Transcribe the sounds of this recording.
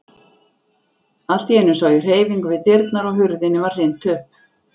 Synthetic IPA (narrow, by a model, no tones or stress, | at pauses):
al̥t̪jɛːnʏsaːwjʏr̥eːjviŋkʏvɪt̪ɪɾt̪naɾɔɣɦʏɾðɪnɪvarrejnt̪ʏhp̚